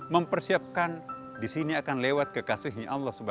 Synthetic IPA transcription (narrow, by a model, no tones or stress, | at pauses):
məmpərsiap̚kan | disiniakanlewat̪̚kəkasiɦiʔalːahsəbə